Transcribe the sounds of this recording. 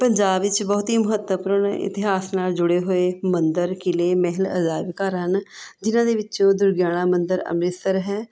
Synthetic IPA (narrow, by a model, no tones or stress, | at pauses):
pəɲd͡ʒaːbʋɪt͡ʃbɔːt̪iːmʊɦət̪ːəpuɾəɳɪ̰t̪ɪɦaːsnaːld͡ʒʊɽeːɦoːeːmənd̪əɾkɪleːmɛɦləəzaːʋkaːɾɦənd͡ʒɪnãːd̪eːʋɪt͡ʃõːd̪ʊɾɡjaːɽ̃ãːmənd̪əɾə̰mɾɪsəɾɦɛː